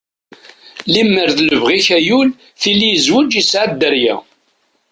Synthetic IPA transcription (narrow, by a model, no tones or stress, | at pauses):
limːəɾðləvʁiçæjul | θilːijəzwəd͡ʒisʕad̪ːəɾjæ̰